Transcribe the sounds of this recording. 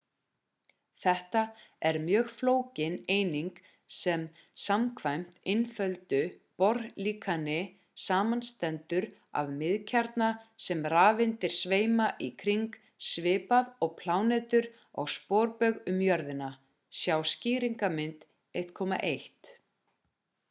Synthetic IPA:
θɛht̪aɛɾmjœːɣfloːwcɪneːjniŋk | sɛm | samkʰvajm̥t̪ɪnfœlt̪ʏpɔɾliːkʰanɪ | saːmanst̪ɛnt̪ʏɾa̰vmɪðcʰaɾt̪nasɛmraːvɪnt̪ɪɾ̥sveːjmaʔikʰɾiŋk | svɪːpaðɔɣpʰlaːwnɛːt̪ʏɾ | a̰ɣspɔːɾpœɣʏmjœɾðɪna | sjawsciːɾiŋkamɪnt̪ | ejht̪kʰɔːma̰ʔejht̪

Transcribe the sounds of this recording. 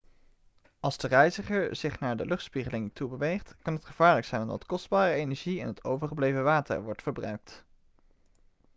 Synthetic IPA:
ɑlˠzdərɛjzəχəɹz̥ɪχnaːɹdəlɵχtspiχəlɪŋtubəʋejχtkɑnɦətχəv̥aːɹləksɛjnʊmdɑ̰tkɔsd̚baːrəejnɛɹʒiɛ̰nɦətʰowvəɹχəblejvəʋaːtə̰ɹʋɔɹtfəɹbrœ̰ɥk̚t

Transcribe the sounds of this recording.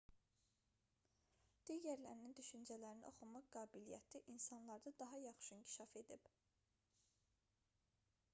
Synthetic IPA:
d̪̥iɟæɾlæɾinind̪yʃynd͡ʒælæɾinḭʔo̞χumɑqɡɑːbilijæ̰t̪ʰiʔinsɑnlˠɑɾd̪ɑd̪ɑɦɑjɑχʃɯincʰi̥ʃɑfe̞d̪ib̥

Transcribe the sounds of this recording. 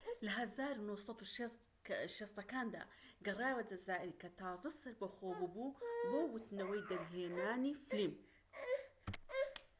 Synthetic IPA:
lɦazaːɾnusˤɑt̪ʃ | ʃesˤɑkaːnd̪a̰ | ɡɑrˤaːwad͡ʒazaːʔɪɾikat̪aːzˤɨsːɨɾbaxoːbububowʊt̪nawejd̪aɾɦeːnaːniflim

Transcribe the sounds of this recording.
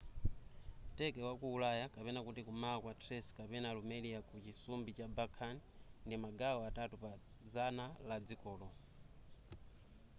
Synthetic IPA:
tɛkɛwakuːlajakapɛnakutikumaːkwatʰɾɛskapɛnalumɛliakut͡ʃisumbit͡ʃabakʰan | ndimaɡawɔatatupa | d͡zanalad͡zikɔːlɔ

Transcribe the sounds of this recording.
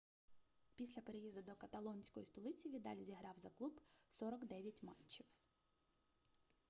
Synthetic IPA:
pʲisʲlʲɐpe̞ɾejizd̪ʊd̪ɔkɐt̪ɐlˠɔnʲsʲkɔjist̪ɔlˠɪt͡sʲiʋʲid̪ɑ̰lʲizʲiɦɾɑwzɐklˠubsɔɾɔkd̪ɛʋʲjɐtʲmɑ̰t͡ʃːiw

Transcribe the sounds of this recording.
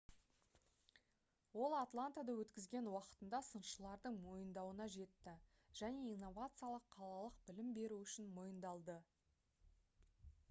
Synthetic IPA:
wo̞lˠat̪lˠant̪ad̪ɑwɵt̪kʲɪzɡʲe̞nwɑqə̥t̪ənd̪ɑsənʃəlˠɑɾd̪əɴmo̞jənd̪ɑwənɑʒe̞t̪ːɪ | ʒ̥æne̞ijnːo̞vat̪sɨjalˠəqʰːɑlˠɑlˠəq̚bɪlɪmbe̞ɾuʏʃɪnmo̞jənd̪ɑlˠd̪ə

